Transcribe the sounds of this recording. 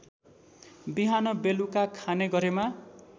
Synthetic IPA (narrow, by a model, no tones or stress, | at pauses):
biɦanʌbelukakʰaneɡʌɾema